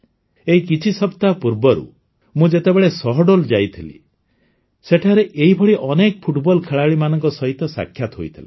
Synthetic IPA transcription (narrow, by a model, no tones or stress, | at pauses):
eikit͡ʃʰisɔpt̪apuɾbɔɾṵ | mũd͡ʒet̪ebeɭesɔɦɔɖold͡ʒajt̪ʰilḭ | seʈʰaɾeʔeɦibʱɔɽiʔɔnekɔpʰuʈbɔlkʰeɭaɭimanɔŋkɔsɔɦit̪ɔsa̰kʰːjat̪ɔɦojt̪ʰila̰